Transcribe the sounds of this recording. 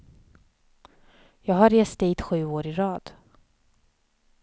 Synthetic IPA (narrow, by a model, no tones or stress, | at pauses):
jɑːɡɦaɾeːst̪iːt̪ɧʉ̟ːoːɾɪɾɑːd̪̥